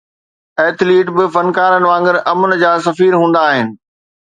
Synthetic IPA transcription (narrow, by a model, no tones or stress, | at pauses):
ɛːt̪ʰliːʈbɪfɐnkaːɾənɪʋãːŋɡɪɾɐmʊnɪ̆d͡ʑaːsɐfiːɾɦũːn̆d̪aːɦɪnɪ̆